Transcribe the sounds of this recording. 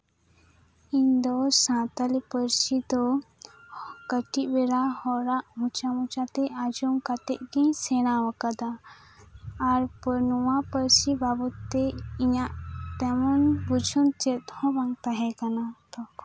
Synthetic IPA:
iɲd̪ɔsãt̪alipəɾsid̪ɔ | kəʈiʔbɛɾahɔɾaʔɦũt͡ʃamũt͡ʃat̪ɛʔad͡ʒumkat̪ɛʔɡĩɲsɛñawəkad̪a | ɾpəɾnuwapəɾsibabɔt̪ːɛiɲaʔt̪ɛmɔnbud͡ʒʱunt͡ʃɛt̪̚hɔ̃baŋt̪aɦɛkanat̪ɔ

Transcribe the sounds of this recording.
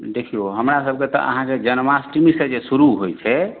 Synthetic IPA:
d̪ekʰijoɦəmɾasəb̚ket̪ɔ̰ʔə̰ɦãked͡ʒənmasʈimised͡ʒesuɾuɦojt͡ʃʰɛ

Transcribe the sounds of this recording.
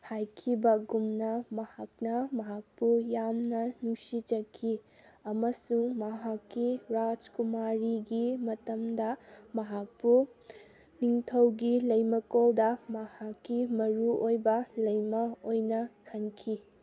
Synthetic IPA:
hajkʰibɐɡumnɐmɐhak̚nɐmɐɦak̚pujamnɐnuŋsid͡ʒɐkʰi | ɐmɐsuŋmɐɦakːiɾad͡ʒkumaɾiɡimɐtɐmdɐmɐɦak̚pu | niŋtʰɐwɡilɐjmɐkoldɐmɐhakːimɐɾuojbɐlɐjmɐojnɐkʰɐnkʰi

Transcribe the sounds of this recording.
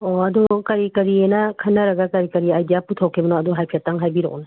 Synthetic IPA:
oɐdukɐɾikɐɾienɐkʰɐnːɐɾɐɡɐkɐɾikɐɾiajdijaputʰawkʰebɐnɔɐduɦajpʰiataŋɦajbiɾɔ̰ʔnɐ

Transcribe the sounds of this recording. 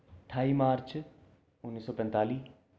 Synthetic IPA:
ʈʰaːiːmaːɾt͡ʃ | ʊnːiːsɔːpɛ̃nt̪aːliː

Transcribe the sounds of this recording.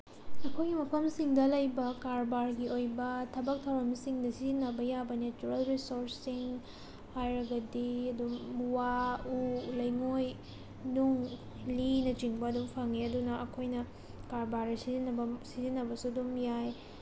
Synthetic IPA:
ɐkʰojɡimɐpʰɐmsiŋdɐlɐjbɐkaɾbaɾɡiʔojbɐtʰɐbɐk̚tʰawɾɐmsiŋdɐsizinɐbɐjabɐnet͡ʃuɾɐlɾisoɾssiŋ | hajɾɐɡɐdiɐdumuwaulɐjŋoj | nuŋ | linɐt͡ʃiŋbɐɐdumpʰaŋːeɐdunɐʔɐkʰojnɐ | kaɾbaɾɐsizinːɐbɐsizinːɐbɐsudumjaj

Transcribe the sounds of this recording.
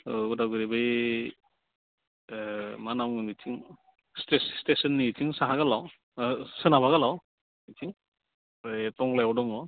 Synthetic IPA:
udaɡɯɾibɯj | manawnitʰiŋ | stesstesɯnːitʰiŋsaɦaɡalaw | sɯnabaɣalaw | nitʰiŋ | ɯtɔŋlajwdɔŋɔ

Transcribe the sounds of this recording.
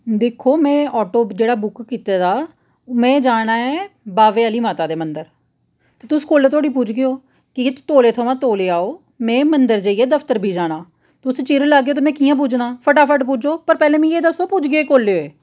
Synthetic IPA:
d̪eːkʰːoːmɛ̃ːʔɔːʈoːd͡ʒeːɽaːbʊkkiːt̪aːd̪aː | mɛ̃ːd͡ʒaːɽ̃aːɛ̃ːbaːʋeːaːliːmaːt̪aːd̪eːmənd̪əɾ | t̪eːt̪ʊskoːlːeːt̪ʰoːɽiːpuːd͡ʒɡejoː | kɪt̪oːleːt̪ʰoːʋãːt̪oːleːaːoː | mɛ̃ːmənd̪əɾd͡ʒəːiːeːd̪əpʰt̪əɾbʱiːd͡ʒaːɽ̃aː | t̪ʊst͡ʃiɾlaːɡejoːt̪eːmɛ̃ːkiːjãːp̬ud͡ʒnaːpʰəʈaːpʰəʈpud͡ʒoːpəɾpɛːlẽːmĩːeːd̪əsːoːpʊd͡ʒɡeoeːkoːleoːeː

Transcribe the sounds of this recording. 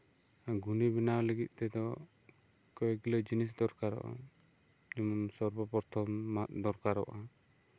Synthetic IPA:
aɡʱunibinawləɡit̪̚ˀt̪ɛd̪ɔ | kɔjɡilɔd͡ʒinis̬d̪ɔɾkaɾɔ̰ʔa̰ | nimɔmsɔɾbɔpɔɾt̪ʰɔmːad̪ɔɾkaɾɔ̰ʔa

